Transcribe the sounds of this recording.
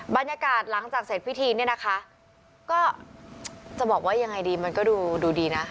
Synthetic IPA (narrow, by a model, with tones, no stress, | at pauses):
ba˧njaː˧kaː˨˩t̪̚la˩˦ŋt͡ɕaː˨˩k̚seː˨˩t̪̚pʰi˦˥t̪ʰiː˧ni˥˩ɐna˦˥kʰa˦˥ʔ | kɔː˥˩ | t͡ɕa˨˩bɔː˨˩k̚waː˥˩ja˧ŋa˧jdiː˧ma˧nkɔː˥˩duː˧duː˧diː˧na˦˥